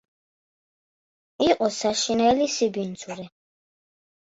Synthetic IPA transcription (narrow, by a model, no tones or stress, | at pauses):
iqʼɔsaʃinɛlisibint̪sʰuɾɛ